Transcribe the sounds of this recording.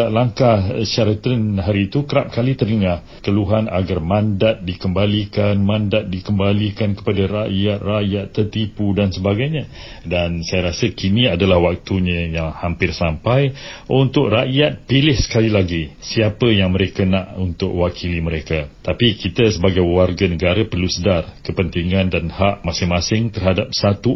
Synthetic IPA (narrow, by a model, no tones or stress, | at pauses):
laŋkahʃaɾat̪ənɦaɾiːt̪ukəɾap̚kalit̪ərnəŋah | kəluɦana̰ɡarmãndat̪̚dikəmbalikanmãndat̪̚dikəmbalikankə̥padaraʔjat̪̚raʔjat̪ːərt̪ipudansəbaɡajɲã | dansajaɾasəkinĩadalahwak̚t̪uɲãjaŋhampɪrsampajʔunt̪ʊk̚raʔjat̪̚pilɪhsə̥kalilaɡisiapəjaŋmə̃ɾekanaʔunt̪ʊ̰k̚wakʰiliməɾekat̪apikit̪asəbaɡajwarɡanəɡaɾapərlusədarkəpənt̪iŋãndanhaʔmasɪŋmãsɪŋt̪ərhadap̚sat̪u